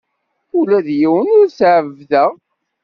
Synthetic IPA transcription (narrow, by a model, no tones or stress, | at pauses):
ulæðjiwənʊɾsʕəvðəʁ